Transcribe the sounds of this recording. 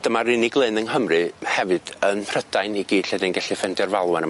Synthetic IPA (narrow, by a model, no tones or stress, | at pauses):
d̥əmarɪnɪɡlˠeɨnənɦəmrɨhɛvɨd̥ənpʰrəd̥ajniɡiːd̥ɬɛdɨnɡɛɬɨfɛndɛrvalˠwɛnə